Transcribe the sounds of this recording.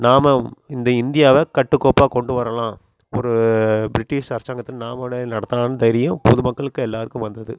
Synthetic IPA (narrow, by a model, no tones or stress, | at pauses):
naːmɐɪnd̪ɐɪnd̪ɪjaːʋɐkɐʈːɯkːoːpaːkɔɳɖɯʋɐɾɐlãː | ɔɾɯbɾɪʈːɪʂɐɾɐsaːŋɡɐt̪ːɪlnaːmɐʋɪɽɐnɐɽɐt̪ːɐlãːnɯd̪ɐjɾɪjɐ̃pɔðɯmɐkːɐɭɯkːɯ̃ɛlːaːɾɯkːɯ̃ʋɐnd̪ɐðɯ